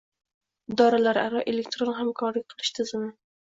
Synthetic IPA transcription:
ɪd̪ɒɾalaɾa̰ɾɒʔele̞k̚t̪ɾonɦamkʰɒɾlɪkʲqʰɨlˠɪʃt̪ʰɪzɪmɪ

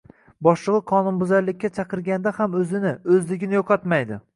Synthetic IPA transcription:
bɒʃlˠɨʁɨqʰɒnʊnbʊzaɾlɪkʲːat͡ʃʰɑqɨɾɡʲand̪ahamɵzɪnɪɵzlɪɡʲɪnɪjoqʰɒt̪majd̪ɪ

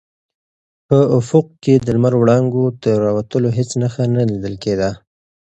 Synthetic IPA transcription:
pəʊfʊq̚ked̪əlmaɾwɽɑŋɡod̪əɾɑwat̪əloɦet͡snaxanalid̪əlked̪a

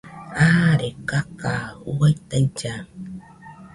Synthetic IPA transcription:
aɾekakauwajt̪ait͡ʃa

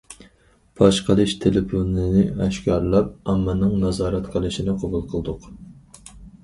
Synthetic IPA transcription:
pʰɑʃqʰəlˠɨʃt̪ʰelɪpʰonɨnɪɛʃkʲɑɾlˠɑp̚ɑmːɑnɨŋnɑzɑːɾɛt̪qʰəlˠɨʃinɪqʰɑbulˠqʰəlˠd̪ʊq

